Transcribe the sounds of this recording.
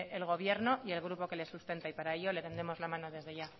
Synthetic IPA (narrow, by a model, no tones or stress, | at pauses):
ʔelɣ̞o̞βje̞ɾno̞ʔie̞lɣ̞ɾupo̞ke̞le̞sust̪e̞nt̪aipaɾae̞ʎo̞le̞t̪e̞nd̪ɾemo̞zlamãno̞ðe̞zðe̞ʝa